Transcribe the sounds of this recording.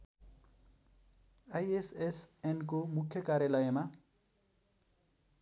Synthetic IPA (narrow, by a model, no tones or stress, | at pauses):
ajesesɛnk̬omukʰjʌkaɾjelʌjema